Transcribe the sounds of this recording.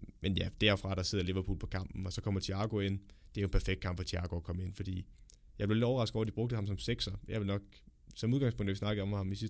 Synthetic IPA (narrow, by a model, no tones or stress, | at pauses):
menjæd̥æɐ̰fʁɑ̈ɾ̥ɑ̈seð̞̰ˠɐleʋɐpʰṵːlpʰɒ̥̽kʰɑ̈m̰b̥n̩ɒ̽sɒ̽kʰɒ̽m̰ɐt͡sʰiɑ̈ɡ̥o̝e̝n̰d̥e̝æjoenpʰæɐfeɡ̥d̥̚kʰɑ̈mb̥fɒt͡sʰiɑ̈ːɡ̥o̝ækʰɒ̽məe̝n̰fɒd̥ḭː | jɑ̈ɪb̥leoled̥ɒʊɐʁɑsɡ̥ðɒ̰ɐdib̥ɔɡ̚d̥əhɑ̈msɒ̽mseɡ̥sɐjɑ̈ɪʋe̝lnɒ̽ɡ̥ | sɒ̽muð̞ˠɡɑ̈ŋspɔ̽ŋ̰d̥æʋisnɑ̈ɡ̥ð̩ˠɒ̽mhɑ̈misi